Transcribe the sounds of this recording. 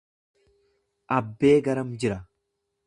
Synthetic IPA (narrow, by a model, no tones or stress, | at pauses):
ʔɐbːe̞ːɡɐɾɐmd͡ʒɪɾɐ